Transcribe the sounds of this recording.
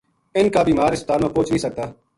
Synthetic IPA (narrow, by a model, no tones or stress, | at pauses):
ɪnkaːbiːmaːɾɪs̚t̪aːɾmãːpoːt͡ʃnĩsək̚t̪aː